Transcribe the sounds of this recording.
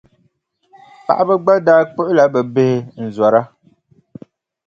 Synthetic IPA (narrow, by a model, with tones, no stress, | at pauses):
pa̰˨ʔa˦bɛ˦ɡ͡ba˦daː˦k͡pʊ˦ʔʊ˦la˦bə˨be˦hɪ˨n̩˨zwa˨ɾa˦